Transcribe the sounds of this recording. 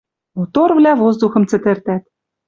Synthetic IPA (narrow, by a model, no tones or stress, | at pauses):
ot̪orvlʲævozd̪uxɤ̆mt͡sɘ̆t̪ɘ̆rt̪æt̪